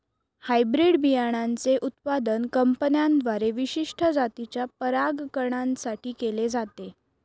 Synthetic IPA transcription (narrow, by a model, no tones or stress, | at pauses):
hajbɾiɽbijaɽ̃ant͡seʔut̪pad̪ənkəmpənjand̪ʋaɾeʋiɕiʂʈʰəd͡zat̪it͡ɕjapəɾaɡkəɾɳãnsaʈiːkeled͡zat̪e